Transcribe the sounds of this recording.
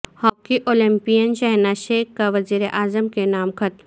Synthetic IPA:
hɔːkiʔoːlɪ̃mpijənʃɛɦnaʃeːkːaʋɐziːɾeʔaːzəmkenaːmkʰɐt̪

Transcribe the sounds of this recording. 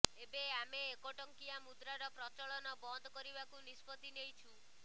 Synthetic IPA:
ebeameːkoʈɔŋkiamud̪ɾaɾɔpɾɔt͡ʃɔɭɔnɔbɔnd̪ʱɔkɔɾibakunispɔt̪inejt͡ʃʰu

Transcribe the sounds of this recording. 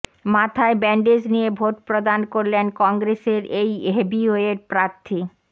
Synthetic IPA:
mat̪ʰaebɛɳɖed͡ʑnijebʱoʈpɾod̪ankoɾlenkɔŋɡɾeseɾejɦebioeɾpɾaɾt̪ʰi

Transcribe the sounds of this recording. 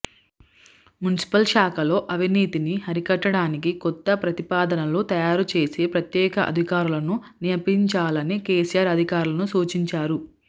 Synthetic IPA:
munisi̥pɐlʃaːkɐlo̞ːʔɐʋʱiniːt̪inihɐɾikɐʈːɐɽaːnikikɔt̪ːɐpɾɐt̪ipaːd̪ɐnɐlut̪ɐjaːɾut͡ʃe̞ːseːpɾɐt̪jɛːkɐʔɐ̰d̪ʱikaːɾulɐnu | nijɐpiɲt͡ʃaːlɐnikeːsijaːɾɐd̪ʱikaːɾulɐnusuːt͡ʃiɲt͡ʃaːɾu

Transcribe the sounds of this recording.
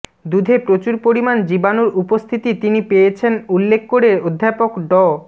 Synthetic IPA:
d̪ud̪ʱepɾot͡ɕuɾpoɾimand͡ʑibanoɾupost̪ʰit̪it̪inipejet͡ɕʰenulːekʰːoɾeod̪ʱːapokɖɔ

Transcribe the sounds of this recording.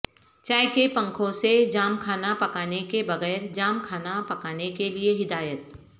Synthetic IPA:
t͡ʃaːɪkepɐ̃ŋkʰõsed͡ʒaːmkʰaːnapɐkaːnekebɐɣɛːɾd͡ʒaːmkʰaːnapɐkaːnekelieɦɪd̪aːjət̪̚

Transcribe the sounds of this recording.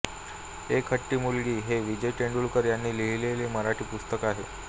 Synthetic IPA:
ekʰəʈːiːmulɡiːɦeʋid͡ʑəjʈeɳɖuːlkəɾjanːiːliɭileleməɾaʈʰiːpust̪əkaɦe

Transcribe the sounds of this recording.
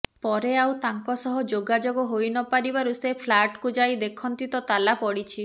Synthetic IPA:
pɔɾeawt̪aŋkɔsɔɦɔd͡ʒoɡad͡ʒoɡɔɦojnɔpaɾibaɾusepʰlaʈkud͡ʒajd̪ekʰɔnt̪it̪ɔt̪alapɔɽit͡ʃʰi

